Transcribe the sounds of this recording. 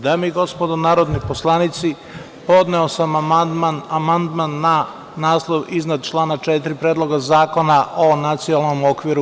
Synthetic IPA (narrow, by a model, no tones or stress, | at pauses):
d̪amiɡo̞spod̪onaːɾod̪nipo̞slˠanit̪si | po̞d̪neosammad̪manamand̪manːa | naːslˠoʋiznad̪t͡ʃlˠaːnat͡ʃet̪ɾipɾeːd̪lˠo̞ɡazaːko̞naʔonat̪sijoalˠnomokʋiɾu